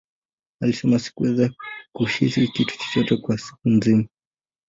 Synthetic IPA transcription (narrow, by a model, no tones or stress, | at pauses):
alisɛmasi̥kuwɛzakuʃisikitu̥t͡ʃɔ̥t͡ʃɔtɛkwasi̥kunzima